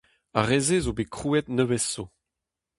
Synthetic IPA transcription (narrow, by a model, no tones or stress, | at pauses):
a̰ʁezezobekχuːɛt̪nøvɛsːo